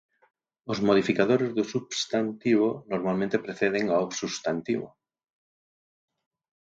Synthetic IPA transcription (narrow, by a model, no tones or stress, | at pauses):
ozmoð̞ifikaðoɾezðusubst̪ant̪iβonoɾmalmẽnt̪epɾeθeð̞eŋaosust̪ant̪iβo̰